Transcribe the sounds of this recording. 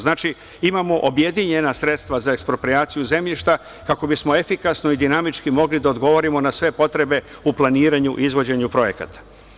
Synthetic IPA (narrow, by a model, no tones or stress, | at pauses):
znaːt͡ʃi | imamo̞ʔobje̞d̪iɲe̞nasɾe̞t̪st̪ʋazaekspɾo̞pɾiaːt̪sijuze̞mʎiʃt̪a | kako̞bismo̞e̞fikasno̞id̪inamit͡ʃkimo̞ɡlid̪aod̪ɡo̞ʋo̞ɾimo̞nasʋe̞po̞t̪ɾe̞be̞ | uplˠaniːɾaɲuʔizʋo̞d͡ʑe̞ɲupɾo̞je̞ka̰t̪ḁ